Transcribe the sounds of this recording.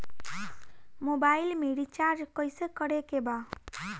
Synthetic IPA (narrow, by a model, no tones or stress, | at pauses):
mobailmeɽit͡ʃaɾd͡ʒkəjsekəɽekeba